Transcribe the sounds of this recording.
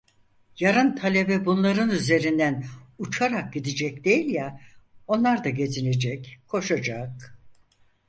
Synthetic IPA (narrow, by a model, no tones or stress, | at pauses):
jaɾɯnt̪ʰalʲe̞bɛbunlˠaɾɯnyze̞ɾind̪ænut͡ʃʰaɾak̚ɟid̪id͡ʒɛcd̪e̞jilʲjɛo̞nlˠaɾd̪aɟe̞d͡ʒ̪ine̞d͡ʒɛckʰo̞ʃad͡ʒak̚